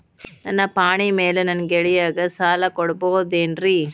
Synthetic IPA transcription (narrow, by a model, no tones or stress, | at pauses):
nɐnːɐpaːɳimeːlɯnɐnɡɛɻɪjaːɣɐsaːlɐkɔɽɯpoːðɛndri